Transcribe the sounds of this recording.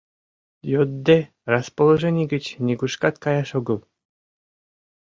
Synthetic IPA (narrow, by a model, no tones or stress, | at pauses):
jod̪ːe | rɑspolˠoʒenʲiɡʲɘ̆t͡ɕnʲiɡuʃkɑt̪kɑjɑʃoɡɤ̆lˠ